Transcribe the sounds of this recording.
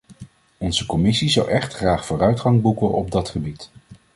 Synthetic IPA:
ɔnzəkɔmɪsizɑwʔɛχtχraːχfʊːrœɥtχɑŋbukəɔb̚dɑtχəbit

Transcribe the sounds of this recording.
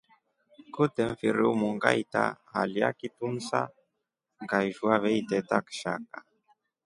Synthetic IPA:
kut̪ɛmfiɾimuŋɡa̰jt̪a̰ | a̰lja̰kit̪unsa̰ | ɡajʒuaβɛjt̪et̪akʃa̰k̚a

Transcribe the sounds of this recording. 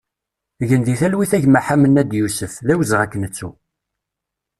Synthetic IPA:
ʝənd̪iθælwiθæʝmaħamənːæd̪jusəfðæwəzʁækːənət͡sːu

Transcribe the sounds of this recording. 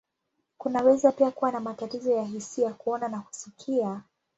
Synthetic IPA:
kunawɛzapiakuwanamatatizɔjaɦisiakuɔnanaku̥sikʰia

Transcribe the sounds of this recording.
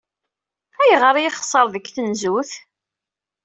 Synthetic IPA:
æjəʁəɾˤjiχə̥sˤːəɾˤðəkːθənzuθ

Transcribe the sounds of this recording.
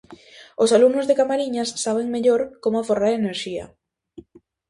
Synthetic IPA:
osalumnʊzðekamaɾiɲɐsːaβ̞eŋmeʎoɾkomʊaforaɾeneɾʃiɐ̰

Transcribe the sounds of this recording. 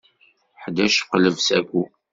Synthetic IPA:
ħd̪æʃqləvsæɡʷu

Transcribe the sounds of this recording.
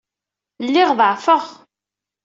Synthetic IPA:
lːɪʁðəʕfəʁ

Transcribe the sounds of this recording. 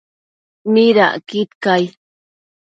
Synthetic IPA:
miɾa̰ʔkɪt̪kaj

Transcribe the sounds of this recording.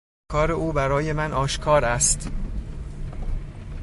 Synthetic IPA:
kɒːɾe̞ʔuːbæɾɒːje̞mænʔɒːʃkʰɒːɾæst̪

